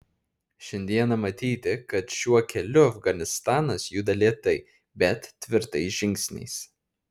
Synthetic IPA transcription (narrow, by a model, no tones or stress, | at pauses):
ʃʲɛnʲd̪ʲiɛnɐmɐt̪ʲiːt̪ʲɪkɐt̪ʃʲuɔkʲɛlʲʊɐfɡɐnʲɪst̪ɑːnɐsjud̪ɐlʲiɛt̪ɐɪ | bʲɛt̪ːʲʋʲɪɾt̪ɐɪsʒʲɪŋʲksʲnʲɛ̰ɪs